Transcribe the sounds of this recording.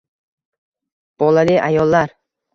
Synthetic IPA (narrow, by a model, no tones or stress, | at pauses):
b̥ɒlalɪʔajɒlˠːaɾ